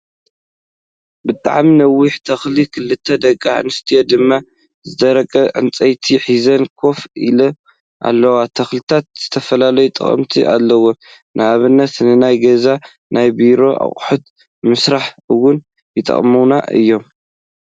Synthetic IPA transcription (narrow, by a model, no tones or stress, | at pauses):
bɨt̪ʼa̰ʕminɐwːɪħt̪ʰɐxlikʰɨlːɨt̪ʰːɐd̪ɐkʼːa̰ʕnɨst̪ʰijod̪ɨmːa | zɨd̪ɐɾɐkʼɐʕɨ̰nt͡sʼɐjt̪ʰiħizɐnkʰo̞filɐ | ʔa̰lːɐwat̪ʰɐxlit̪ʰat̪̚z̥ɨt̪ʰɐfɐlalɐjut̪ʼɨ̰χʼɐ̰mt̪ʰiʔa̰lːɐwo | nʔɨaβɨnːɐt̪nɨnajɡɐza | najbiɾo̞ʔa̰χʼħut̪̚ | mɨsɾaħɨwʊn | jɨt̪ʼɐ̰χʼmuna̰ʔɨ̰jːo̞m